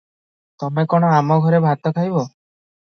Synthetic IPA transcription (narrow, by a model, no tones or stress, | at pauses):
t̪ɔmekɔɽ̃ɔamɔɡʱɔɾebʱat̪ɔkʰajbɔ